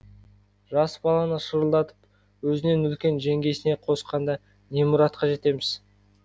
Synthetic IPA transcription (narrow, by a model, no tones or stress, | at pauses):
ʒɑsbɑlˠɑnəʃəɾəlˠd̪ɑt̪ə̥p | wɵzɪne̞nʏlkʲe̞nʒe̞ŋɡʲe̞jsɪne̞qʰo̞sqɑnd̪ɑ | nemuɾɑt̪̚qɑʒe̞t̪e̞mɪz̥